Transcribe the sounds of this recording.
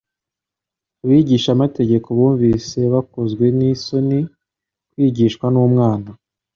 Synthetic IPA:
uβiɟiːʃamate̞ɟe̞koβuːɱviːse̞βakozɡwe̞niso̞ni | kwiːɟiʃkwanumŋaːna

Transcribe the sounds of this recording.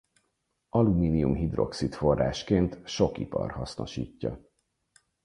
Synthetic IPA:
ɒlumiːnijumɦid̪ro̞ksit̪fo̞rːa̰ːʃkeːnt̪ʃo̞kipɒ̰rhɒsno̞ʃiːcːɒ

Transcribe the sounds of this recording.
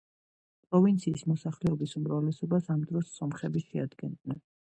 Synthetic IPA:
pʼɾɔvint̪sʰiːsmɔsaχlɛɔbisumɾavlɛsɔbasamd̪ɾɔsːɔmχɛbiʃɛad̪ɡɛnd̪nɛn

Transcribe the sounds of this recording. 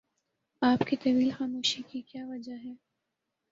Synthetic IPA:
aːpkit̪ɐʋiːlxaːmoːʃikikjaːʋɐd͡ʒaɦɛː

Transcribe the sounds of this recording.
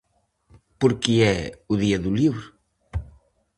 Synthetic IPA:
poɾkiɛuðiɐðuliβɾu

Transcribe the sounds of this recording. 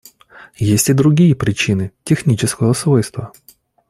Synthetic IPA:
jesʲtʲɪd̪ɾʊɡʲijəpɾʲɪt͡ɕinɨtʲɪxnʲit͡ɕɪskəjəsvo̞jst̪və

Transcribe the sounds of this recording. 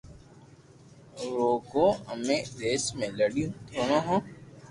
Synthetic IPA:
ɾoːkoːəmẽːɾeːsmẽləɽijũt̪ʰoːnaɦõː

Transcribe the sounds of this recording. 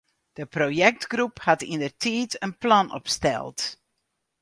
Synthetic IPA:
d̥əprojɛk̚tɡruphatḭndərtʰiːtənplɑnɔ̰pstɛ̰lˠt

